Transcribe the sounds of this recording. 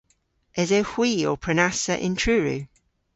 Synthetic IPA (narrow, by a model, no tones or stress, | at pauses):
ʔɛzəhw̥iːɔpʰɹ̥ənasəʔɪ̰̃ntʰɹ̥ʉːɹʉ̰ː